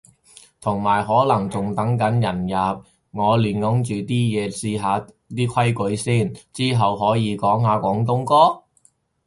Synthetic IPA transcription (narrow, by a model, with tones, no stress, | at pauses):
t̪ʰʊ˨˩ŋmaː˨˩jɦɔː˨˥lɐ˨˩ŋt͡sʊ˨˩ŋt̪ɐ˨˥ŋkɐ˨˥njɐ˨˩njaː˨p̚ | ŋɔː˨˧lyː˨˩nŋʊ˨˥ŋt͡ʃyː˨t̪iː˥jɛː˨˧siː˧ɦaː˨˧ | t̪iː˥kʰɐ˥jkɵ˨˥jsiː˥nt͡siː˥ɦɐ˨wɦɔː˨˥jiː˨˧kɔː˨˥ŋɦaː˨˧kʷɔː˨˥ŋt̪ʊ˥ŋkɔː˥